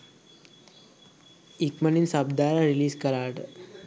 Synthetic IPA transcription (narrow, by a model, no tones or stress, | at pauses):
ikməniːnsabd̪aɾaɾiliːskəɾaɽ